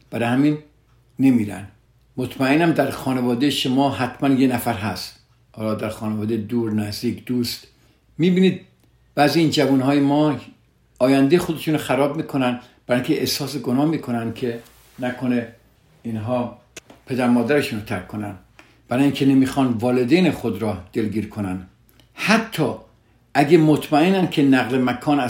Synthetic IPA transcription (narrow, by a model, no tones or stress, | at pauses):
b̥æɾehæminː | emiːɾæ̰nd̪ | mot̪ʰmæenæmd̪æɾxɒːnevɒːd̪ejeʃomɒːhæt̪ʰmænjenæfæɾɦæst̪ | hɒːlɒːd̪æɾxɒːnevɒːd̪ed̪uːɾnæzd̪iːkʰd̪̥uːst̪ | miːbiːniːd̪̚ | b̥æːziːiːnd͡ʒævuːnhɒːjemɒː | ɒːjænd̪ejexo̞d̪e̞ʃuːnoxæɾɒːbmiːkʰo̞nænd̪ | b̥æɾːiŋkʲʰeʔesɒːseɡonɒːmiːkʰo̞nænd̪̥̚kʲʰe̞ | nækʰone | inɦɒː | pʰe̞d̪æɾmɒːd̪æɾeʃuːnot̪ʰæɾkʰːonæ̰n | b̥æɾɒːjiːŋcʰenemiːxɒːnvɒːled̪eːnexod̪ɾɒːd̪̥e̞lɡiːɾkʰonæn | hæt̪ʰːɒː | ʔæɟemot̪ʰmæenænd̪̚kʰenæɣlemækʰɒːnæ